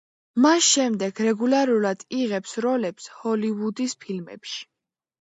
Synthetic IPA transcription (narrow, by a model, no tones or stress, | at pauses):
masʃɛmd̪ɛɡɾɛɡulaɾulad̪̥iʁɛpsɾɔlɛpshɔliwud̪ispʰilmɛ̰pʃi̥